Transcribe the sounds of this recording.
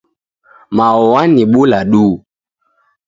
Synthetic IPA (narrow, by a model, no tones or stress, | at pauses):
maɔwaniɓulaɗu